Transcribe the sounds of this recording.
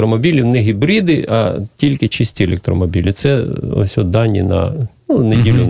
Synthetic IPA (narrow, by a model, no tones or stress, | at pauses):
ɾɔmɔbʲilʲiwnɛɦʲibɾid̪ɪʔɐ̰tʲilʲkɪt͡ʃisʲtʲielʲɛk̚t̪ɾɔmɔbʲilʲɪt̪sɛɔ̰sʲɔd̪ɑnʲːḭnɐ̰ | unedʲilʲʊ